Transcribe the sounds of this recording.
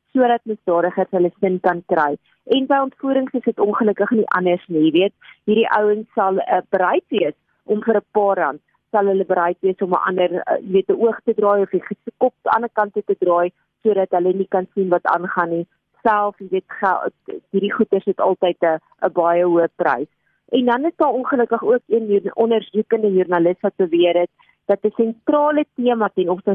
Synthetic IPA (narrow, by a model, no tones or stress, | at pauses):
suəɾɐt̚məzdɑːɾəχərsɦələsənkɐnkrɛj | ʔɛnbəjɔntfuːɾəŋsəsɦətɔnχələkəχniʔɐ̰nərsnijiviət̚ɦiɾiʔəwəŋsːɐlˠəbəɾɛjtviəs | ʔɔmfəɾəpɑːrɐ̰nt | sɐlˠɦələbəɾɛjtviəsɔmə̰ʔɐ̰ndərə̰jiviətəʔuəχtədrɑːjɔfiχəskɔp̚tɐ̰nəkɐntətədrɑːj | suəɾɐtɦələnikɐnsinvɐtɑ̰nχɐni | sælˠfjəviətχæ̰ɦiɾiχutərsdətɑlˠtəjtə | əbɑjəɦuəprɛ̰js | ʔɛndɐnəsdɑːɔnχələkəχuəkiənɔnərzukəndəjurnɐləsvɐt̚bəviəɾət̚ | d̥ɐtəsɛntrɑːlətiəmɐtɛnɔpsə